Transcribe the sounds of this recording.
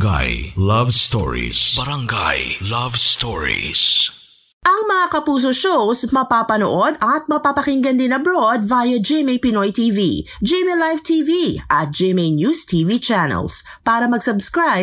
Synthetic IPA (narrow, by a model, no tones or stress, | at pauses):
ɡa̰jlɐvst̪ɔ̰ɹḭsbɐɾɐŋɡa̰jlavst̪oɹḭs | ʔɐŋmɐŋakɐpuːs̬oʃowsmɐpaːpɐno̰ʔod̪ɐt̪̚mɐpaːpɐkɪŋɡɐnd̪ɪnɐbɾod̪̚vaːjɐd͡ʒɛmejpɪnojt̪iːvḭ | d͡ʒɛmelajvt̪ʰiːviʔɐ̰t̪̚d͡ʒɛmejnjuːst̪ʰiːvit͡ʃanɛ̰ls | paːɾɐmɐɡsɐbskɹaj